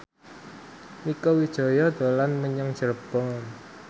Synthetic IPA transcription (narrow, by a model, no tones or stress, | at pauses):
wikowid̥ʒ̥ɔ̤jɔd̪̥o̤lanməɲəŋd̥ʒ̥ərb̥ɔn